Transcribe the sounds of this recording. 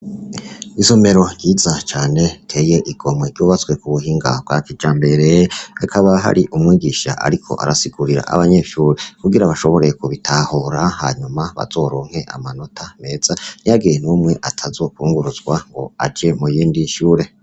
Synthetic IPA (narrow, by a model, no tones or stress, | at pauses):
izome̞ɾo̞ɾɟiːzat͡ʃaːne̞tʰe̞ːje̞ʔiɡ̥o̞mweɾɟuːβat͡sɡwe̞kuβuɦiːŋɡa̰b̚ɡakid͡ʒaːmbe̞ɾeakʰaβaɦa̰ɾiʔumŋiːɡiʃa̰ʔa̰ɾikʰo̞̰ʔa̰ɾasiɡ̥uɾiɾa̰ʔa̰βaɲeːʃuːɾekuɡiɾaβaʃo̞βo̞ɾe̞kuβitʰahoɾaha̰ːɲumaβa̰zo̞ɾo̞ːŋ̥he̞ʔa̰mano̞tʰame̞ːz̥an̥ijaɡijenumŋe̞ʔatʰazo̞ːkuːŋɡuɾuzɡwaŋɡo̞̰a̰d͡ʒe̞mujiːndiʃuːɾe̞